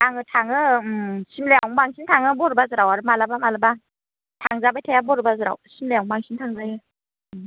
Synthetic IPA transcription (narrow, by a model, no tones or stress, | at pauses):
taŋɯtʰaŋɯmsimleawmaŋsʰintʰaŋɯbɔɾɯbazɯɾawaɾɯmalabamalaba | tʰaŋzabajtʰajabɔɾɯbazɯɾa̰wsimleawmaŋsʰintʰaŋzajɯ